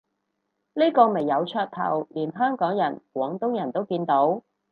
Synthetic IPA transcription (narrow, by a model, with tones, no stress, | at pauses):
niː˥kɔː˧me˨˩jːɐ˨˧wt͡ʃʰœː˧t̚t̪ʰɐ̰˨˩wliː˨˩nɦœː˥ŋkɔː˨˥ŋjɐ˨˩nkwɔː˨˥ŋt̪ʊ˥ŋjɐ˨˩nt̪o˥wkiː˧nt̪o˨˥w